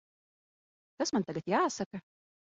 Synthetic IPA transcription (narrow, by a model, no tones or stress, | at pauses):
kasmant̪aɡat̪jaːsaka